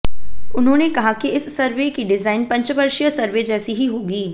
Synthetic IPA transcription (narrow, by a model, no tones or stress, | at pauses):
ʊnɦõːnekɐɦakiɪsːɐɾʋekiɖɪzaːɪnpɐ̃ɲt͡ʃʋɐɾʃjəsɐɾʋed͡ʒɛːsiɦiɦoːɡiː